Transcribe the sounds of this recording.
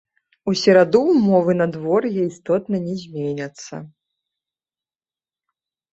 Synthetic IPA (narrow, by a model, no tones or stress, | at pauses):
usʲɛɾad̪umɔvɨnɐd̪vɔrjɛist̪ɔt̪nɐnʲɛzʲmʲenʲɐt̪sːɐ̰